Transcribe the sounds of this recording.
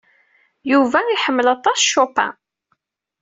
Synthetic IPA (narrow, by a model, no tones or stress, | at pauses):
juvæiħəmːəlɑt̪ˤɑsʃopæ̰